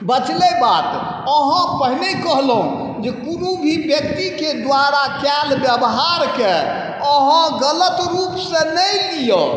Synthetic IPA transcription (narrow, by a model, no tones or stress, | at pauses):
bət͡ʃlebat̪ | əɦə̃pəɦinekəɦlɦṵ̃ | d͡ʒekunubʱibjək̚t̪iked̪ʋaɾakɛlbjəbɦaɾke | əɦãɡələt̪ɾupsẽnəjlijo